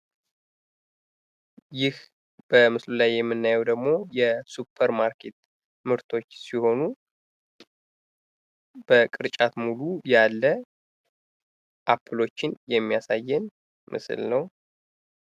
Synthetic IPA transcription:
jɪh | b̥əmɨslulajːɛmːɨnːajɛwd̪əɡmo̞jɛsupʰːəɾmaɾkʰet̪ | mɨɾt̪ʰo̞t͡ʃːsiho̞nu | b̥əkʼɨɾt͡ʃʼat̪mulujalːə | ʔapʰɨlo̞t͡ʃːɪnjɛmːijasajːɛn | mʔɨ̰sɨ̰lnəw

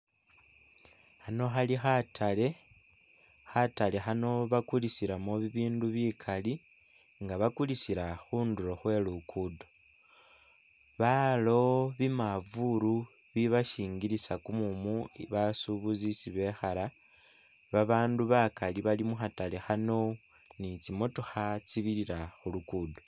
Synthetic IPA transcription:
xano̞xalixatʰale̞ | xatale̞xano̞βakulisiɾamoβiβiːnduβikʰali | ŋɡaβakulisiɾaxuːnduɾoxwe̞lukʰudo | βalo̞βimavuɾu | βiβaʃiːŋɡiɾisakumumuiβasuβuzisiβe̞xala | βaβaːnduβakaliβalimuxatalixano̞ | nit͡simo̞tuxat͡siβiɾiɾaxulukudo

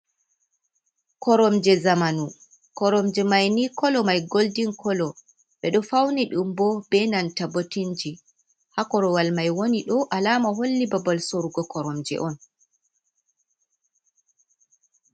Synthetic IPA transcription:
kɔɾɔmd͡ʒɛzamanu | kɔɾɔmd͡ʒɛmajnikɔlɔmajɡoldiŋkɔlɔ | ɓɛɗɔfawniɗumbɔb̥ɛnantabotind͡ʒi | hakɔɾɔwalmajwoniɗɔʔalamaɦolːibabalsoɾuɡɔkɔɾɔmd͡ʒɛ̰ʔɔn

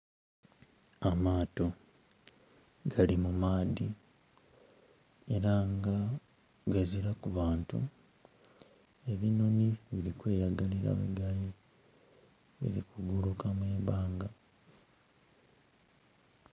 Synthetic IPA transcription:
amaːto̞ | ɡalimumaːdi | e̞ɾaŋɡa | ɡaziɾakuβaːntṵ | e̞βino̞niβiɾikwe̞ːjaɡaliɾa̰wḛɡali | βḭɾḭkuɡulukamwe̞ːbaːŋɡa

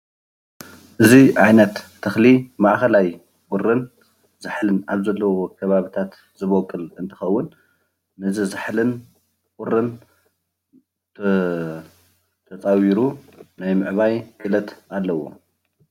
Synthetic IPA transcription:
ʔɨziʔajnɐt̪ːʰɐxlimaʔxɐlaj | kʼʊrːɨn | zɨħlɨnaβzɐlːɐwokʰɐβaβit̪ʰat̪ | zɨβokʼːɨlɨnt̪ʰɨ̥xɐwːʊnː | ɨzɨzɨħlɨn | kʼʊrɨn | t̪ʰ | t̪ʰɐt͡sʼawiɾunajmɨʕβajkʼɨlɐt̪alːɐwo̰

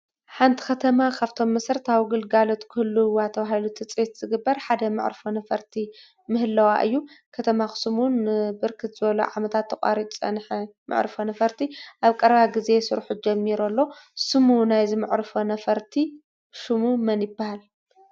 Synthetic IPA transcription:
ħant̪ʰi̥kʰɐt̪ʰɐmakʰaβt̪ʰo̞mːɐsɾt̪ʰawɡɨlɡalo̞t̪kʰɨɨlːuwat̪ʰɐβaɦilut̪ʰɨt͡sʼet̪z̥ɨɡɨbːɐɾħad̪ɐmɨ̰ʕɾfonɐfɐɾt̪ʰi | mɨhɨlːɐwa̰ʔɨ̰jːukʰɐt̪ʰɐmaxɨ̥sɨmunbɨɾkʰɨt̪zɨβɐlṵʕamɐt̪ʰat̪ʰːɐkʼa̰ɾit̪ʼt͡sʼɐ̰nħimɨ̰ʕɾɨfonɐfɐɾt̪ʰiʔaβkʼɐɾɐβaɡize̞sɨɾħud͡ʒɐmːiɾolːo̞sɨmunajzɨmɨʕɾfonɐfɐɾt̪ʰi | ʃɨmumɐnjɪbːahal

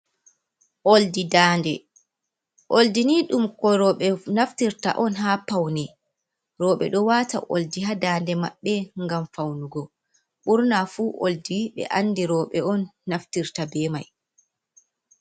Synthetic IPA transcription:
ʔoldidaːndɛ | ʔoldiniɗumkɔɾɔɓɛnaftiɾta̰ʔɔnɦapawnɛ | ɾɔɓɛ̰ɗɔwata̰ʔo̰ldiɦadaːndɛmaɓːɛŋɡamfawnuɡɔ | ɓuɾnafuːʔo̰ldiɓɛ̰ʔanːdiɾɔːɓɛʔɔnːaftiɾtabɛma̰j

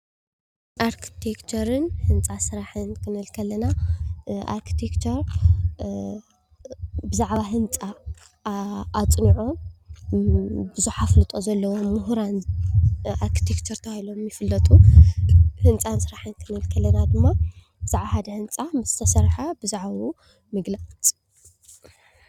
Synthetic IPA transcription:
ʔaɾkʰi̥t̪ʰekt͡ʃʰɐɾɨnhɨnt͡sʼasɨɾaħɨnkʰɨnɨlkʰɐlːɐna | ʔa̰ɾkʰi̥t̪ʰekt͡ʃʰɐɾ | bɨzaʕβaɦɨnt͡sʼa | t͡sʼniʕo | bɨzuħaflɨt̪ʼo̞zɐlːɐwo̞mːʊɦɾan | ʔaɾkʰi̥t̪ʰekt͡ʃʰɐɾt̪ʰɐailo̞mjɪfɨlːɐt̪ʼu | hɨnt͡sʼansɨɾaħɨnkʰɨnɨlkʰɐlːɐnad̪ɨmːa | bɨz̥aʕbahad̪ɐhɨnt͡sʼamɨzt̪ʰɐsɐɾħabɨzaʕau | mɨɡlat͡sʼ

